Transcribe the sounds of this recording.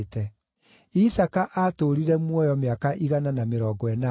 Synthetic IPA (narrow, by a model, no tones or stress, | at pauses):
tɛ | isakaʔatoɾiɾɛmwɔjɔmeakaʔiɣananameɾɔːɡɔɛna